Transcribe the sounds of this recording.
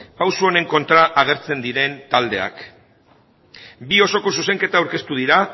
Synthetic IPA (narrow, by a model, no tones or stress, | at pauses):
pawsuo̞ne̞ŋko̞nt̪ɾaʔːɣ̞e̞ɾt͡se̞nd̪iɾe̞nt̪ald̪e̞̰a̰k | bio̞so̞kos̬use̞ŋke̞t̪awɾke̞st̪uð̞iɾa